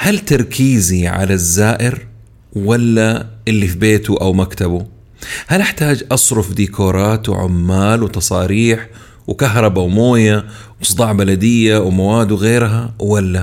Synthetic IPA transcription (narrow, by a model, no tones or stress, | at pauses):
halt̪ɑɾˤkʰiːziʕa̰lazːaːʔɪɾ | walːaʔɪlːifibeːt̪uʔawmakt̪abu | halʔɪħt̪aːd͡ʒʔɑsˤɾʊfd̪iːkoːɾˤɑːt̪w̰ʕʊ̰mːaːlwt̪ɑsˤɑːɾiːħ | wkaɦɾˤɑbawmoːja | wsˤd̪ˤɑːʕbalad̪ɪjːawmawaːd̪wɣeːɾɦawalːa